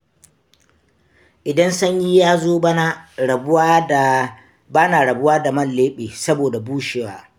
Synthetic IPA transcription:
ʔɪ˨dɐ˦nsɐ˦ɲji˦jaː˦zoː˦a˦na˦˨˦ | baː˦naː˨ɽɐ˨bʊ˦waː˦da˨mɐ˦nlleː˦ɓeː˨sɐ˦boː˨da˨buː˦ʃe˨waː˦

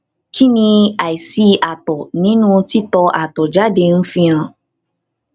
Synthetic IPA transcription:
kʰi˦nĩ˧a˨i˨si˦a˨tɔ˨nĩ˨˦nũ˦ti˦tɔ˧ʔa˨tɔ˨d͡ʒa˦de˧n̩˦fĩ˦ã˧˨

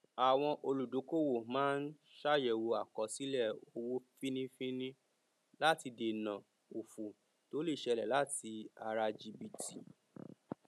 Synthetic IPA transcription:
a˨w̃ɔ̃˧ʔo˧lu˨do˨˦ko˦wo˦˨mãː˦n̩˦ | ʃa˦jɛ˨wo˧a˨kɔ˨si˨˦lɛ˦˨o˧wo˦fĩ˦nĩ˦fĩ˦nĩ˦ | la˦ti˧de˨nã˨ | o˨fu˨ | to˨˦le˦˨ʃɛ˧lɛ̰˨la˦ti˧a˧ɾa˧d͡ʒi˧bi˨ti˨

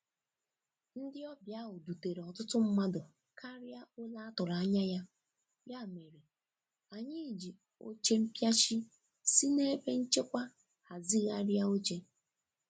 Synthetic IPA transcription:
n̩˦dɪ˦ɔ˦bja˦ɦʊ˨du˨te˨ɾe˨ɔ˨tʊ˦tʊ˦m̩˦ma˦dʊ˨ | kʰa˦ɾja˦ʊ˦la˦tʊ˨ɾa˨˦ɲa˦ja˦ | ja˦˨me˨ɾe˨ | a˨ɲɪ˦˨d͡ʒi˨ | o̰˦t͡ʃe˦m̩˦pja˦t͡ʃi˦ | si˦ne˦e˦be˦n̩˦t͡ʃe˦kʷa˦ | ha˨zi˦ɣa˦ɾja˦o˦t͡ʃe˦

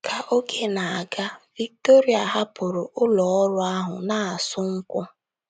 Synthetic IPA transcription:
kʰa˨ʔo˦ɡe˦na˨a˨ɡa˦vi˦k̚to˦ɾi˦a˨ɦa˦pʊ˨ɾʊ˨ʔʊ˦lɔ˨ɔ˦ɾʊ˦a˦ɦʊ̰˨na˨a˨sʊ˦ŋ̩˦kʷʊ˦

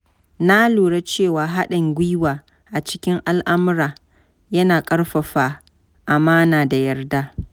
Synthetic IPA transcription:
na˦luː˨ɽa˦t͡ʃeː˦˨waː˨ɦa˦ɗɐ˨ŋɡʷi˦waː˨ | ʔa˨t͡ʃɪ̥˦kʲɪ˦ŋʔa˦lʔa˦mʊ˦ɾaː˨ | jɐ˦naː˨kʼɐ˦ɽɸɐ˨ɸaː˨ | ʔa˨maː˦naː˨da˨jɐ˦rdaː˦

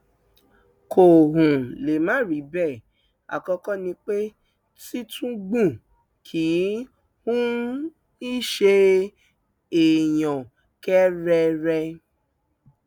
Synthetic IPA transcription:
ko˨ɦũ˨le˨mãː˨˦ɾi˨˦bɛ˦˨ | a̰˨kɔ˧kɔ˦nĩ˧k͡pe˦ | ti˦tũ˦ɡ͡bũ˦˨ | kʰi˨˦ | hũ˦ | i˦ʃe˧ | e˨jɔ̃˨ | kɛ˦ɾɛ˧ɾɛ˧

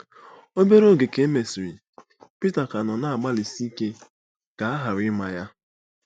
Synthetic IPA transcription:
o˦be˦ɾo˦˨ɡe˨ke˦e˦me˨si˨ɾi˨ | pi˦ta˨ka˨nɔ˨na˦a˨ɡ͡ba˦li˨si˦ke˦ | ka˨a˦ɦa˨ɾɪ˦ma˨ja˦

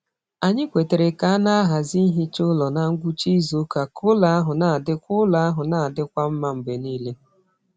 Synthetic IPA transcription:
a˨ɲɪ˦kʷe˨te˨ɾe˨ka˨˦a˦na˦a˦ɦa˨zi˦ɦi˦t͡ʃʊ˦lɔ˨na˨ŋ̩˦ɡʷu˦t͡ʃi˦zo˦ka˨kʊ˦la˦a˦ɦʊ˨na˨a˨dɪ˦kʷʊ˦la˦a˦ɦʊ˨na˨a˨dɪ˦kʷa˦m̩˦ma˨m̩˨be˨niː˦le˦

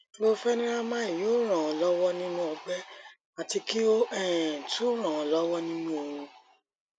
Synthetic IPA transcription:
o˦fɛ˦nĩ˦ɾa˦mã˦i˨joː˨˦ɾ̃ã˨ɔ˨˧lɔ˦wɔ˦nĩ˦nũ˦ɔ˧ɡ͡bɛ˦ | a˨ti˧ki˦o˦ɛ˦˨to˦ɾ̃ã˨ɔ̃˨lɔ˦wɔ˦nĩ˦nũ˦o˧ɾ̃ũ˧

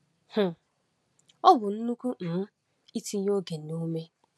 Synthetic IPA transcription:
h̩˨ | ɔ˦bʊ˨n̩˦nu˦ku˦n̩˨˦ | i˦ti˦ɲ˦o˦ɡe˨no˦me˦

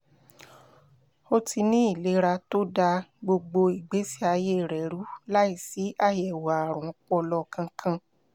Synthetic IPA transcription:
o˧ti˧nĩ˦i˦˨le˨˦ɾa˧to˦da˧ɡ͡bo˧ɡ͡bo˧i˨ɡ͡be˨˦si˦a˧je˦˨ɾɛ˨ɾu˨˦la˦i˦˨si˨˦ʔa˦˨jɛ˨wa˨ɾ̃ɔ̃˨k͡pɔ˧lɔ˧kʰã˧kʰã˧

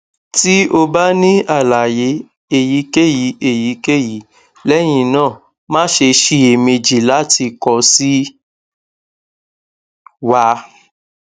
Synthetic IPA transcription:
ti˦o˧ba˦nĩ˦a˦˨la˨je˨˦ | e˦˨ji˨˦ke˦˨ji˨˦e˦˨ji˨˦ke˦˨ji˨˦ | lɛ˦j̃ĩ˧˨nãː˦˨ | mãː˦ʃe˧ʃi˧˨e˨me˧d͡ʒi˨la˨˦ti˧kɔ˧si˦ | wa˧˦

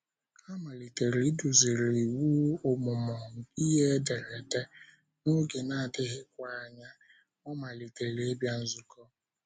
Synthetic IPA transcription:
a˦ma˨li˨te˨ɾi˨˦du˨zi˨ɾi˨wu˦ʊ˨mʊ˨mɔ˨ŋ̩˨i˦ɦe˦de˨ɾe˨de˦ | no˦ɡe˨na˨a˨dɪ˦ɦɪ˦kʷa˨a˨ɲa˦ | ɔ˦ma˨li˨te˨ɾe˦bja˦n̩˦zʊ˨kɔ˦

